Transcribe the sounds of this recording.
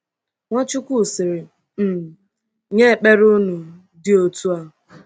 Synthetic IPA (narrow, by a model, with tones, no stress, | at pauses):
ŋʷɔ˦t͡ʃʊ˦kʷu˦˨sɪ˨ɾɪ˨ | m̩˨ | ɲe˦˨k͡pe˦ɾu˦nu˨ | dɪ˦o˨tu˦a˦˨